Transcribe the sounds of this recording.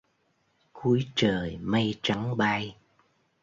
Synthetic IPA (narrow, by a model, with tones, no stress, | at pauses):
ku˨˦jt͡ɕəː˨˩jmə˧jt͡ɕa˨˦ŋɓa˧j